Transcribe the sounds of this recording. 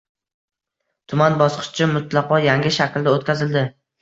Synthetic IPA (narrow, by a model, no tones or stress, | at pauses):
t̪ʰʊmanbɒsqʰɨ̥ʃt͡ʃʰɪmʊt̪ʰlˠɑqɒjaŋɡʲɪʃakʲld̪aot̪̚kʲʰazɪld̪ɪ